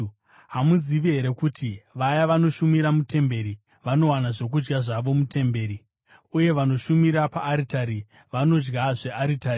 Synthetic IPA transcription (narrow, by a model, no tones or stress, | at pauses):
ɦamuziʋiɦe̞ɾe̞kutiʋajaʋano̞ʃumiɾamute̞mbe̞ɾi | ʋano̞wanaʐo̞k̬ud͡ʒɡaʐaʋo̞mutʰe̞mbe̞ːɾi | uje̞ʋano̞ʃumiɾapa̰ːɾitaɾi | ʋano̞d͡ʒɡaʐe̞ʔaɾitari